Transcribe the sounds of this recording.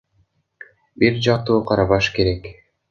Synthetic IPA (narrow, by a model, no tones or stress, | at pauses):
biɾd͡ʒɑq̚t̪uːqʰɑɾɑβɑʃkeɾek